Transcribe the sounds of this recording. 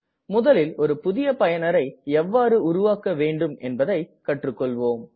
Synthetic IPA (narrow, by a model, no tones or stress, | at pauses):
mʊðɐlɪlɔɾɯpʊðɪjɐpɐjɐnɐɾɐɪɛʋːaːɾɯʊɾʊʋaːkːɐʋeːɳɖɯmɛnbɐðɐɪkɐʈrɯkːɔɭʋoːm